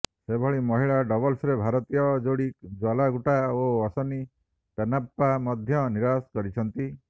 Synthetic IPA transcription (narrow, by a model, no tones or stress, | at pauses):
sebʱɔɭimɔɦiɭaɖɔbɔlsɾebʱaɾɔt̪ijɔd͡ʒoɽikd͡ʒwalaɡuʈaoɔsɔni | p̪enapːamɔd̪ʱjɔniɾaskɔɾit͡ʃʰɔnt̪i